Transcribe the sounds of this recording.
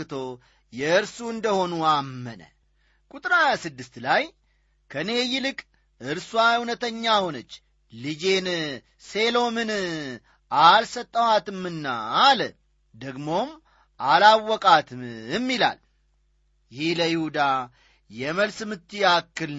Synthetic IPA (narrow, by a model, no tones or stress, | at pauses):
ɨt̪ʰo̞ | jɛɨɾsuɨnd̪əho̞nuamːənə̰ | kʼut̪ʼɾajasɨd̪ːɨst̪laj | kʰəne̞jɪlɨkʼ | ʔɨɾswahunət̪ʰəɲːahonət͡ʃː | lɨd͡ʒe̞n | se̞lo̞mɨn | ʔalsət̪ʼːəwat̪ɨmːɨnːa̰ːlə | d̪əɡmo̞m | ʔalawːɔkʼat̪ʰɨmɪmːila̰l | jɪhləjɪhud̪a | jɛməlsɨmɨt̪ʰːiakːɨl